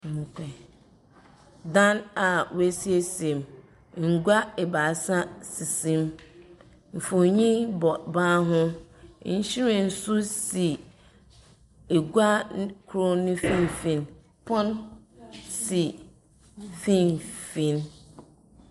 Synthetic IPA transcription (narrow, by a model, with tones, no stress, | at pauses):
ŋ̩˨kʰɛ˨ | dã˦na˨wwæ˦si˦e˦sẽ˨m | ŋ̩˨ɡa˦ɛ˨ba˨˦sa˦si˨sĩ˦m | m̩˨fʊ̃˨ɲĩ˦bɔ˨bã˦ɦʊ̃˦ | ɕi˦ɾɛ̃˨n̩˨su˦si˨ | e˨ɡu˦a˦kʰɾo˦nʊ̃˦fĩ˦˨n˨fĩ˨n | pʰɔ̃˦n | si˨ | fĩ˦˨nfĩ˨n